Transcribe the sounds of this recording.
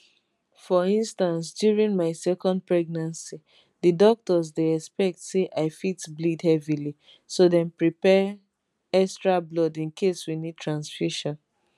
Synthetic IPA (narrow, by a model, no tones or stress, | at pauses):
fɔĩnstãns̬djuɹĩnmaɪsɛkɔ̃nd̚pɹɛɡ̚nãnsi | didɔk̚tɔzdeɛkspɛk̚tseʔaɪfitblidhɛvili | sodɛ̃npɹipɛ | ɛkstɹablɔdĩnkʰeswinid̚tʰɹãnsfuʃɔ̃n